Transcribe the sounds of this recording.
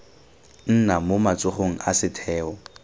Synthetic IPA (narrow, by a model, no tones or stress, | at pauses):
n̩namomat͡sʼʊχoŋ̩asɪtʰɛːɔ